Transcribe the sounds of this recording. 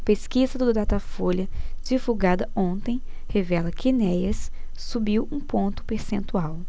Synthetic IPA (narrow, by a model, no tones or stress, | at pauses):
peskizɐd̪ʊd̪at̪afoljɐd͡ʒivuɡad̪ɐõnt̪ẽj̃ | hevɛlɐkɪnɛjɐsː | ubiwũpõnt̪ʊ̥peɾsẽnt̪uaw